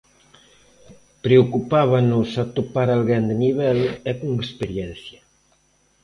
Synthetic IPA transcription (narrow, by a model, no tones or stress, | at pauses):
pɾeokupaβanʊsat̪opaɾalɣɛnd̪eniβɛlɛkuŋespeɾjɛn̟θja